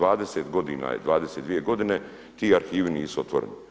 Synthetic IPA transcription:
ʋaːd̪e̞seːt̪ɡo̞d̪iːna̰jḛd̪ʋaːd̪eset̪ʋije̞ɡo̞d̪ine̞ | t̪iːaɾxiːʋiniːsuo̞t̪ʋo̰ɾeni

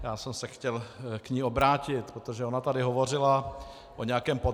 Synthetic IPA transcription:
jaːsɛmsɛxcɛlkɲiːo̞bɾaːcɪt̪pɾot̪oʒɛonat̪adɪɦo̞vo̞r̝ɪla | ʔoɲɛjakɛːmpo

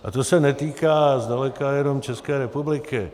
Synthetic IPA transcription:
ʔa̰t̪osɛnɛt̪iːkaːzdalɛkajɛnomt͡ʃɛskɛːɾɛpublɪkɪ

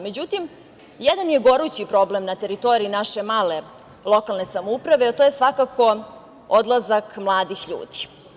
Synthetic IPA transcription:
me̞d͡ʑut̪im | jɛd̪anje̞ɡo̞ɾut͡ɕipɾo̞ble̞mnat̪e̞ɾit̪o̞ɾiinaʃe̞maːle̞ | lˠo̞kalˠne̞samoupɾaʋeat̪ojesʋakakʰo̞ | od̪lˠazakmlˠaːd̪ixʎṵːd̪i̥

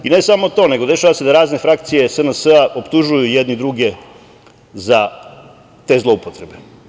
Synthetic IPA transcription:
ine̞samo̞t̪o̞ːne̞ɡod̪e̞ʃaʋase̞d̪aɾaːznefɾak̚t̪sije̞sənəsəaʔo̞pt̪uʒujujed̪nid̪ɾuɡe̞ | za | t̪e̞ːzlˠo̞upot̪ɾe̞be

